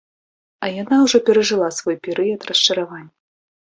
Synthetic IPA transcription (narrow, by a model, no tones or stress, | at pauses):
ɐjanawʐɔpʲɛɾɐʐɨlˠasvɔjpʲɛɾɨjɐt̪rɐst͡ʂɐɾavanʲːɐ